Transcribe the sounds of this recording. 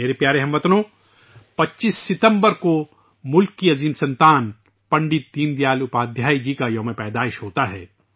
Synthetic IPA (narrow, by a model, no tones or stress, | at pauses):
eːɾepjaːɾeɦɐ̃mʋɐt̪nõ | pɐtːt͡ʃiːsːɪt̪ə̃mbəɾko | mʊlkːiɐziːmsɐ̃nt̪aːn | pɐ̃ɳɖɪt̪̚d̪iːnd̪jaːlʊpaːd̪ʱjaːid͡ʒiːkajɐ̃ːmẽpɛːd̪aːɪʃɦoːt̪aɦɛ̰ː